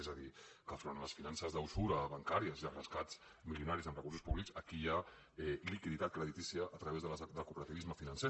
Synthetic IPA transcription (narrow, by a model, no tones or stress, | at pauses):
ɛzəðikəfɾonləsfinansəzðəwsuɾəβaŋkaɾiəziðərəskat͡s | miliunaɾizəmrəkuɾrsuspuβlikzəkija | ɛlikiðit̪at̪̚kɾəðit̪isiəʔːt̪ɾəβezðələlkupəɾət̪iβizməfinənse